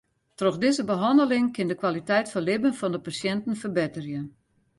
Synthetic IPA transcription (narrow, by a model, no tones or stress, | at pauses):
troxdɪzəbəɦɑndəlɪŋkɪndəkwalitɛjtfɔnlɪbənfɔndəpasjɛntən̩fərbɪtərjə